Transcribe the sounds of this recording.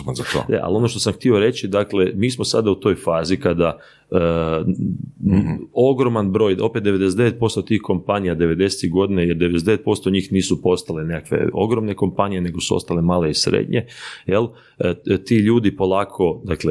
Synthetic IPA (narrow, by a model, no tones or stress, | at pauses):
zat̪o̰deʔa̰lo̞no̞ʃt̪o̞samxt̪io̞ɾe̞t͡ʃid̪akle̞miːsmosa̰d̪aut̪o̞jfaːzikad̪a | ə | o̞ɡɾo̞manbɾo̞ːjʔo̞pet̪d̪eʋe̞d̪esed̪eet̪̚po̞st̪ot̪iːhko̞mpanijad̪eʋe̞d̪e̞set̪iɡo̞d̪inajeɾd̪eees̬d̪eet̪̚po̞st̪o̞ɲiːxniːsupo̞st̪alenekakʋe̞̰o̞̰ɡɾo̞mne̞ko̞mpanijene̞ɡosuo̞̰st̪alemaːleisɾḛːd̪ɲe̞jelˠ | t̪iːʎuːd̪ipo̞lˠaːkʰo̞d̪akle